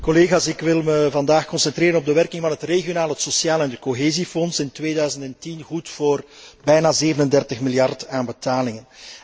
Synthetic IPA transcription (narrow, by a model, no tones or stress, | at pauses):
koleːɣaːsɪkʋɪlˠməvɑndaːxkɔnsɛntreːɾənɔb̚dəʋɛrkɪŋvɑnɦətreɣijonaːlˠəɦətsosjaːlɛnət̚koɦeːzifɔnsɪntʋeːdœɥzəntɛntinɣutfoːrbɛjnaːzeːvənəndɛrtəxmɪljɑrtaːnbətaːlɪŋən